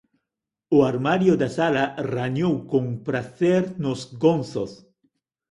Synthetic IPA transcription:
oaɾmaɾjod̪asalaraɲowkõŋpɾaθeɾnʊzɡõnθos

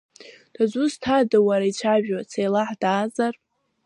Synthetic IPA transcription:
d̥azʷustʰadawaɾait͡ʃʷʰaʒᶣat͡sʰajlaħdaːzar

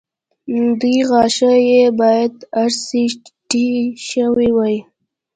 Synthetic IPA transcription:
d̪ujɣɑʃajebɑjad̪aɾsiʈiʃəwiwaj

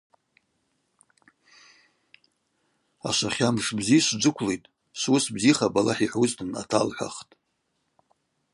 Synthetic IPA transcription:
a̰ʃʷaχʲamʂbziʃʷd͡ʒʷɨkʷʰlejtʼ | sʷʊsbziχabalaħiħʷuztʰɨna̰tʰalħʷᶣa̰χtʼ

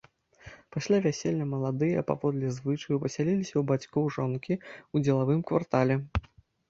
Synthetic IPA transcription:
pasʲlʲavʲasʲelʲːɐmɐlˠad̪ɨjɐpa̰vɔd̪lʲɛzvɨt͡ʂɐjupɐsʲalʲilʲisʲɐwbat͡sʲkɔwʐɔnkʲiud͡zʲɛlˠavɨmkva̰rt̪alʲɛ

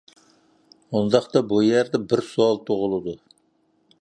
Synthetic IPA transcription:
und̪ɑχt̪ɑbujæɾd̪ɛbɪɾsuɑlˠt̪ʰʊʁʊlˠɨd̪u

